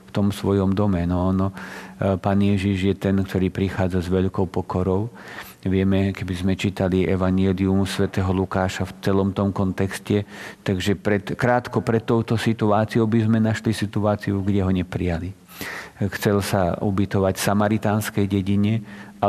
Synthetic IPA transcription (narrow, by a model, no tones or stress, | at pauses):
ft̪ɔmsʋɔjɔmd̪ɔmɛnɔnɔpaːnjɛʒiʒjɛt̪ɛnkt̪ɔɾiːpɾixaːd͡zazʋɛʎkɔʊpɔkɔɾɔʊ | ʋɪɛmɛkɛbizmɛt͡ʃiːt̪aliʔɛʋaɲɛliumsʋɛt̪ɛːɦɔlukaːʃaft͡sɛlɔmt̪ɔmkɔnt̪ɛkscɛt̪aɡʒɛpɾɛt̪kɾaːt̪kɔpɾɛt̪ːɔʊt̪ɔsit̪uaːt͡siɔʊbizmɛnaʃlisit̪uaːt͡siuɡɟɛɦɔɲɛpɾijali | xt͡sɛlsaṵbit̪ɔʋacsamaɾit̪aːnskɛjɟɛɟiɲɛ | a